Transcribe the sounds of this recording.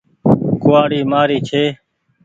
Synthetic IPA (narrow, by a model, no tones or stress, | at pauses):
kʊːaːɽiːmaːɾiːt͡ʃʰeː